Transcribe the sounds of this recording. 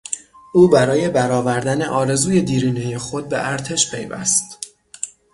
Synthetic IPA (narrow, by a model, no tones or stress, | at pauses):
ʔuːbæɾɒːje̞bæɾɒːvæɾd̪æne̞ʔɒːɾe̞zuːje̞d̪iːɾiːneje̞xo̞d̪̚bḛʔæɾt̪ʰe̞ʃpʰe̞jvæ̰st̪